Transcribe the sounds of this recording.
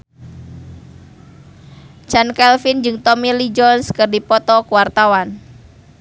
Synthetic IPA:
t͡ʃankɛlfind͡ʒɨŋt̪ɔmilid͡ʒɔnskɨrdipɔt̪ɔkuwart̪awan

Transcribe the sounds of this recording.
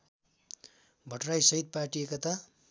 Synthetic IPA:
bʱʌʈrajsʌɦid̪̚parʈiekʌt̪a

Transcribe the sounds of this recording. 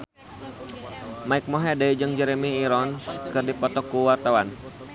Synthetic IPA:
maɪk̚mɔɦɛdaid͡ʒəŋd͡ʒəɾemiːɾɔnskɨrdipɔt̪ɔkuwart̪awan

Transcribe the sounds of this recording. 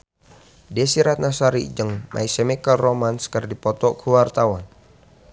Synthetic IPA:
dɛsiɾat̪̚nasaɾḭd͡ʒəŋmʔa̰isɛmikəlromanskərdipɔt̪ɔkʰuwart̪awan

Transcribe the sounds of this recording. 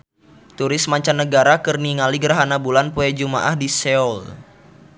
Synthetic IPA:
t̪uɾɪsmaɲt͡ʃanːəɡaɾakɨrniŋaliɡəɾaɦanabulanpuɛd͡ʒuma̰ʔahdisɛɔl

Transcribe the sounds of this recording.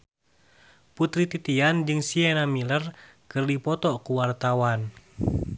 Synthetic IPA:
put̪ɾit̪it̪iand͡ʒɨŋsienamilər | kɨrdipɔt̪ɔkuwart̪awan

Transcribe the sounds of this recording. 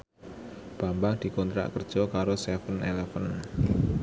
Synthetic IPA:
b̥ambaŋd̪̥i̤kɔnt̪ɾa̰ʔkərd̥ʒ̥ɔkaɾosɛfənʔeləfən

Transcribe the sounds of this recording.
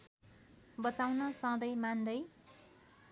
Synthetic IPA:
bʌt͡sawnʌsʌ̃d̪ʌjmand̪ʌj

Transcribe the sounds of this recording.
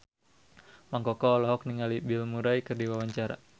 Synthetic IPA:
maŋkɔkɔːlɔɦɔk̚niŋalibɪlmuɾajkɨrdiwawaɲt͡ʃaɾa̰

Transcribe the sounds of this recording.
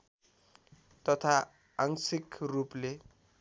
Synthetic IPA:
t̪ʌt̪ʰa | aŋsikruple

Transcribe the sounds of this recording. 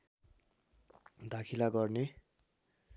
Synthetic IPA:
d̪ʱakʰilaɡʌrne

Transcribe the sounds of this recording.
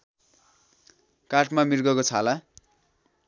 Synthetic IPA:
kaʈʰmamirɡʌkot͡sʰala

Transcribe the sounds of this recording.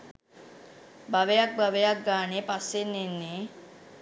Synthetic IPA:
baʋejak̚baʋejak̚ɡaːnepasːenːenːe

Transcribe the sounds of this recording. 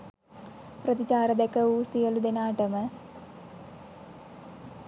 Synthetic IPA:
prɐd̪it͡ɕaːɾɐd̪ekːɐuːsijɐlud̪enaːʈɐmɐ

